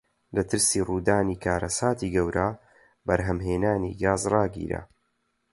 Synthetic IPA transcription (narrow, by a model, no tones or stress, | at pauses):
lɐt̪ʰɨɾsiːruːd̪aːniːkʰaːɾɐsaːt̪iːɡɐwɾʔa | bɐɾɦɐmɦeːnaːnḭːɡaːzrɑːɡḭːɾa̰